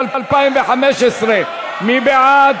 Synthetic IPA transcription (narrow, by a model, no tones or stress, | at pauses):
alalpaimbeħameʃɪsɾiːn | mibɪʕaːd̪